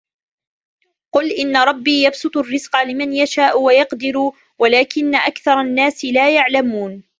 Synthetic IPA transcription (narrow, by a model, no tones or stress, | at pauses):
qʊlʔɪnːaɾˤɑbːiːjɑbsʊt̪ˤʊrːɪzqɑlɪmanjaʃaːʔʊwajɑqd̪ɪɾuː | walaːkɪnːaʔakθɑɾˤɑnːaːsɪlaːjaʕlamuːn